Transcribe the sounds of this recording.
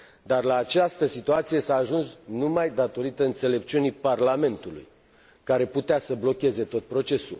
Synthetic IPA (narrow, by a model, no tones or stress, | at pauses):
d̪arlaːt͡ʃast̪əsit̪uat̪sije̞saːʒunsnumajd̪at̪o̞ɾit̪əɨnt̪se̞le̞p̚t͡ʃiunijparlame̞nt̪ulṵj | kaɾe̞put̪easəblo̞kʲe̞ze̞t̪o̞t̪̚pɾo̞t͡ʃe̞sṵl